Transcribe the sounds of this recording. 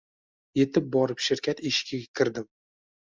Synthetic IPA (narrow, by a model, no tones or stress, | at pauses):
je̞t̪ʰɪp̚bɒɾɪpʃɪɾkʲʰat̪ɪʃkʲakʲʰɪɾd̪ɪm